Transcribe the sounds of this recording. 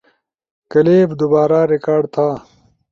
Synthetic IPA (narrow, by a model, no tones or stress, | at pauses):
kɐleːbd̪ubaːɾaːɾikaːɖt̪ʰaː